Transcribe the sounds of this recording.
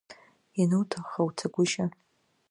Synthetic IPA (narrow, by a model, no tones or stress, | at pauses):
inɨwtʰaχawtʰaɡʷʊʃa